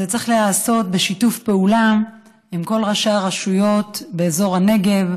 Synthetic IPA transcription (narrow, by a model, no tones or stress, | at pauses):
et͡seχlehaːso̞t̚be̞ʃitufpe̞ulam | imko̞lʁaʃaʁaʃujo̞tbe̞ːzo̞ʁhane̞ɡe̞v